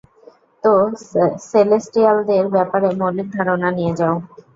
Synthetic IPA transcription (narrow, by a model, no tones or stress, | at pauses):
t̪oselesʈiald̪eɾbɛpaɾemolid̪ʱaɾonanijed͡ʑao